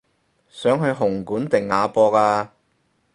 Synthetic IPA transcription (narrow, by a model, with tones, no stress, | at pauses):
sœː˨˥ŋɦɵ˧ɥɦʊ˨˩ŋkuː˨˥nt̪ɪ˨ŋːaː˨˧pɔː˧kaː˧